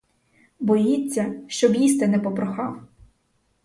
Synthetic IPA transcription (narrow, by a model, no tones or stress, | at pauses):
bɔjit͡sʲːɐʃt͡ʃɔbjist̪ɛnɛpɔpɾɔxɑw